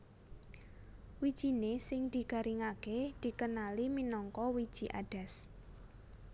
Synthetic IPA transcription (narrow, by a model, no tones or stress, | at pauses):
wid̥ʒ̥i̤nesɪŋd̪̥i̤ɡ̥a̤ɾiŋaked̪̥i̤kənaliminɔŋkɔwid̥ʒ̥i̤ʔa̰ɖ̥a̤s